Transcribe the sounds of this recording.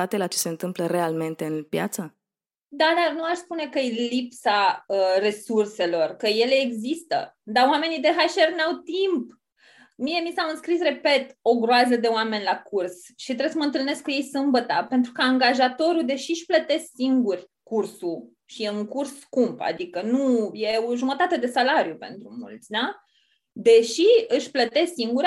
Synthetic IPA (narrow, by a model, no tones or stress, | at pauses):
at̪elat͡ʃese̞ɨnt̪ɨmpləɾe̞alme̞nt̪e̞ɨnpja̰t̪sə | d̪ad̪arnuaʃspune̞kəelipsaəre̞surse̞lo̞rkəje̞le̞ːɡzist̪ə̰d̪awame̞nid̪e̞ɦaʃernawt̪imp | mije̞misaɨnskɾisre̞pe̞t̪o̞ɡɾoazəd̪e̞owame̞nʲlakurs | ʃit̪ɾes̬əməɨnt̪ɨlne̞skuje̞jsɨmbət̪ape̞nt̪ɾukəaŋɡaʒat̪o̞ɾud̪e̞ʃiʃplət̪e̞sksiŋɡurʲ | kursu | ʃieɨŋkursːkumpa̰d̪ikənuje̞oʒumət̪at̪e̞d̪e̞salaɾjupe̞̰nt̪ɾumult̪sʲd̪a | d̪e̞ʃiɨʃʲplət̪e̞sksiŋɡuɾʲ